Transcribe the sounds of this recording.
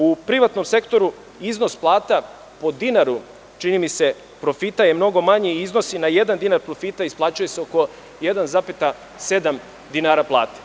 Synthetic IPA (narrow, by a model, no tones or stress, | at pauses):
upɾiʋat̪no̞mse̞kt̪o̞ɾu | izno̞splˠaːt̪a | po̞d̪inaɾu | t͡ʃinimise̞ | pɾo̞fit̪aje̞mno̞ɡo̞maɲiizno̞sinaje̞d̪and̪inaɾpɾofit̪aisplˠaːt͡ɕujeseoko̞ | jed̪anzapet̪a | se̞d̪am | d̪inaːɾaplˠa̰ːt̪e̥